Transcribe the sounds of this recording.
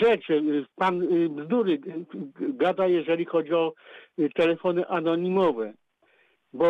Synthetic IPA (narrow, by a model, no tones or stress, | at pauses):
ʐɛt͡ʂɘpanbzd̪uɾɘ | ɡad̪ajɛʐɛlʲixɔd͡ʑiɔt̪ɛlɛfɔnɘʔanɔɲimɔvɛ | bɔ